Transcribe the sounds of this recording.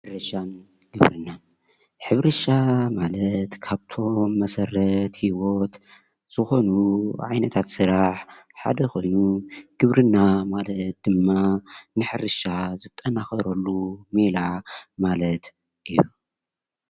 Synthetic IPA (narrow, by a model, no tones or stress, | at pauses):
ħɨɾɐʃan | ɡ̥ɨβɾɨ̰nːa | ħɨβɾɐʃamalɐt̪kʰaβt̪ʰo̞mːɐsɐɾɐt̪hiwot̪ | z̥ɨxo̞nuʕajnɐt̪ʰat̪sɨɾaħħa̰d̪ɐkʰo̞jnuɡ̥ɨβɾɨnːamalɐt̪̚d̪̥ɨmːanɨħɨɾɨʃazɨt̪ʼːɐnaxɐɾɐlːumelamalɐt̪ | ʔiju